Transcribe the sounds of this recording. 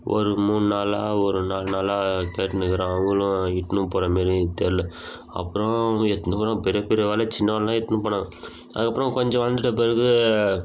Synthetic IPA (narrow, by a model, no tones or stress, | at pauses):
ʔɔ̰ɾɯmuːnɯnaːlaːɔɾɯnaːlnaːlaːkeːʈːɐnɯkɯɾãɐŋɡɐlʊ̃ɪʈːɐnɯ̃poːɾɐmeːɾɯt̪ːeːɾlɛ | ɐ̰pːɯɾõɛt̪ːnɯpoːɾɐ̃ːpɛɾɪjɐpɛɾɪɐʋeːlɐt͡ʃɪnːɐʋaːllãːɛʈ̪ːɐnɯ̃pɐɳːɐ | ɐ̰ðɯkːɐpːɾɔ̃kɔɲd͡ʒɐ̃ʋɐnd̪ɯʈːɐp̬eɾɯkɯ